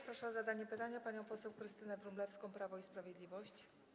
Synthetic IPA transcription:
pɾɔʂɛɔzad̪aɲɛpɘt̪aɲapaɲɔ̃w̃pɔsɛwkɾɘst̪ɘnɛvɾumblɛfskɔ̃w̃pɾavɔispɾavʲjɛd̪lʲivɔɕt͡ɕ

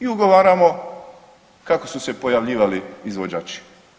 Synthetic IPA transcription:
iuɡoʋaːɾamo̞ | kako̞susepo̞jaʋʎiːʋaliizʋod͡ʑaːt͡ʃi̥

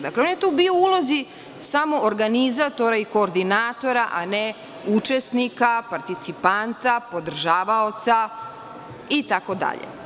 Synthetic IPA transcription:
d̪akleonje̞t̪uːbioulˠozi | samo̞ːɾɡanizat̪o̞ɾaiko̞ːɾd̪inaːt̪o̞ɾaʔane | ut͡ʃesnikapaɾt̪it̪sipant̪apo̞d̪r̩ʒaːʋao̞t̪sa | it̪ako̞d̪a̰ʎḛ

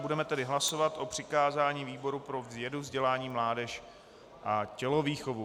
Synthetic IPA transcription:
budɛmɛt̪ɛdɪɦlaso̞vat̪ʔo̞pr̝̥ɪkaːzaːɲiːviːbo̞ɾupɾo̞vzjɛduvzɟɛlaːɲiːmlaːdɛʃ | ʔacɛlo̞viːxovu

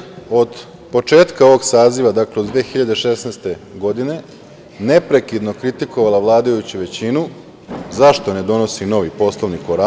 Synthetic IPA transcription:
o̞d̪ | po̞t͡ʃe̞ːt̪kao̞ʋo̞ɡsaːziʋad̪akled̪d̪ʋeːxiʎad̪eʃe̞sneːst̪e̞ɡo̞d̪ine̞ | ne̞pɾe̞kid̪no̞kɾit̪iko̞ʋalaʋlˠaːd̪ajut͡ɕuʋe̞t͡ɕinu | zaʃt̪o̞ne̞d̪o̞no̞sino̞ʋipo̞slˠoʋnikoɾa

